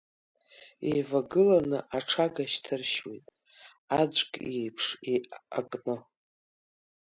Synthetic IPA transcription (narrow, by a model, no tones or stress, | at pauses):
ejvaɡɨlanɨʔaʈ͡ʂʰaɡaʃtʰɨrʃwijtʼ | ad͡ʒʷkʼejpʰʂea̰kʼnɨ